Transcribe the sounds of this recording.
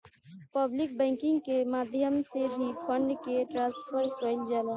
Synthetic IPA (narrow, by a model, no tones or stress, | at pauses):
pɐblɪk̚bɛ̃ːŋkɪ̃ŋɡkemaːd̪ʱjəmsebʱipə̃ɳɖkeʈɾãːspʰəɾkond͡ʒaːlãː